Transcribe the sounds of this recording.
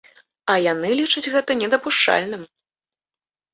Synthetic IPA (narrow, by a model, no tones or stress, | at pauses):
ɐjanɨlʲit͡ʂɐt͡sʲɣɛt̪ɐnʲɛd̪ɐpuʂt͡ʂa̰lʲnɨm